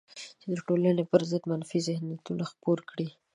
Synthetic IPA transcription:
t͡ʃed̪əʈolanepəɾzəd̪manfizɪhnat̪unaxpoɾkɽi

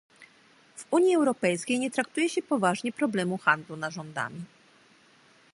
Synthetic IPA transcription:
v̥uɲjiɛwɾɔpɛjskʲejɲɛt̪ɾak̚t̪ujɛɕɛpɔvaʐɲɛpɾɔblɛmuxand̪lunaʐɔnd̪a̰mʲi

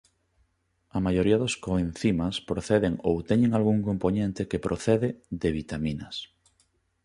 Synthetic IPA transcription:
ɐmajoɾiɐðoskoẽn̟θimaspɾoθeðeŋowt̪eɲẽŋalɣuŋkomponẽnt̪ekepɾʔoθeðeðeβ̞it̪aminɐs

